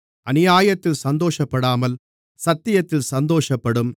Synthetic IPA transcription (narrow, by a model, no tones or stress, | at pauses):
ʔɐnɪjaːjɐt̪ːɪlsɐnd̪oːʂɐpːɐɽaːmɐl | sɐt̪ːɪjɐt̪ːɪlsɐnd̪oːʂɐpːɐɽɯm